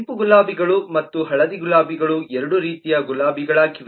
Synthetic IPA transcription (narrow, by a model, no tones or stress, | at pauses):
mpuɡulaːbiɡɐɭumɐt̪ːuɦɐɭɐd̪iɡulaːbiɡɐɭuɛɾɐɽuɾiːt̪ijɐɡulaːbiɡɐɭɐkiʋ